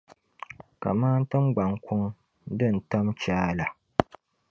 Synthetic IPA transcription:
ka̰˨maː˦n̩˦tɨ˦mɡ͡ba˨ŋ˦kʰʊ˦ŋ | dɨ˦˨n̩˨ta˦mt͡ʃaː˦la˨

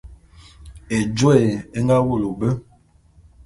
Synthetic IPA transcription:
e˨d͡ʒe˦˨e˦ŋɡa˦wu˦˨lo˨bə˦

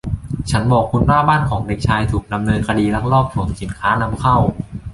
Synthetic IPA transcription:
t͡ɕʰa˦˥nbɔː˨˩kʰːu˧nwaː˥˩baː˥˩nkʰɔː˩˦ŋde˨˩k̚t͡ɕʰaː˧jt̪ʰuː˨˩k̚da˧mnɤː˧nkʰa˧diː˧la˦˥k̚ɾɔː˥˩p̚pʰu˨˩˦ŋsi˨˩˦nkʰaː˦˥na˧mkʰa˥˩w

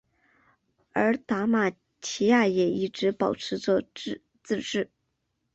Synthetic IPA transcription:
ə˞˧˥t̪a˧˥ma˨˩ | t͡ɕʰi˧˥ja˥˩jɛ˨˩i˥˩ʈ͡ʂɻ̩˧˥pɑ˨˩ʊʈ͡ʂʰɻ̩˧˥t͡swɔ˥˧ | t͡sɹ̩˥˧ʈ͡ʂɻ̩˥˩

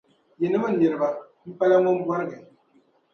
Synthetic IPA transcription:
jɛ˨nɨ˦ba˦˨ne˨ɾɨ˨ba˨ | m̩˦pa˦la˦mɔ˦m˦bwa˦ɾɡɛ˨

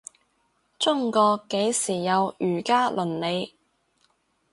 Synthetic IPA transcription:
t͡sʊ˥ŋkɔː˧ke˨˥jsiː˨˩jɐ˨˧wyː˨˩kaː˥lʔɵ˨˩nle˨˧j

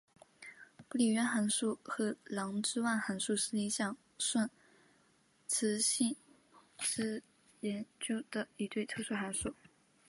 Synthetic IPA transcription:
pu˥˩li˨˩ɥɛ˧˥nxa˧˥nʂu˥˩xɤ˧˥lɑ˧˥ŋʈ͡ʂɻ̩˥wa˥˩nxa˧˥nʂu˥˧ʂɻ̩˥˩i˧˥ɕjɑ˥˩ŋ | swa˥˩n | t͡sʰɻ̩˧˥ɕi˥˩n | ʂɻ̩˥ | jɛ˧˥nt͡ɕjo˥ʊd̪̥ə˨˩i˧˥t̪we˥˩ɪt̪ʰɤ˥˧ʂwu˥˩xa˧˥nʂu˥˩

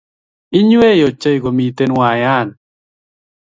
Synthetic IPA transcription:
ɪ˦ɲwe˦jo˨t͡ʃe˦jɡo˨mi˨t̪e˦nwa˨ja˦˨n

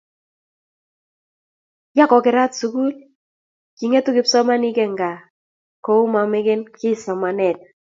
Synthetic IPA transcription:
ja˦kɔ˨kɪ˨ɾa˦tsu˨ku˦l | ki˨ŋe˦tu˦kɪ˨psɔ˦ma˦ni˦kɛ˨ŋɡa˨ | kɔ˨u˦ma˨mɛ˦ke˦nkɪ˦sɔ˨ma˨nɛ˨t

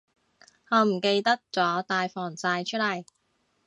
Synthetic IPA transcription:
hɔː˨˧m̩˨˩ke˧jt̪ɐ˥k̚t͡sɔː˨˥t̪aː˨jfɔː˨˩ŋt͡saː˧jt͡ʃʰɵ˥t̚lɐ˨˩j

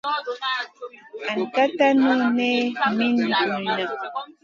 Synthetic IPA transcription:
a˨nka˦t̪a˦nu˦ne˦mi˦ndi˨u˨na˨

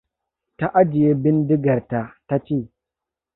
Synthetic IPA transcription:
ta˦ʔa˦d͡ʒɪ˨je˦bɪ˦ndɪ˦ɡa˨ɾta˨ta˦t͡ʃi˦˨

